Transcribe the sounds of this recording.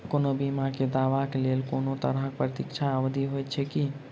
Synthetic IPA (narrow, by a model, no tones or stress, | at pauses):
konobimaked̪aːʋakeleːlkonot̪ə̰ɾəɦk̚pɾət̪ikt͡ʃʰaəʋd̪ʱiɦojt̪̚t͡ʃʰɛki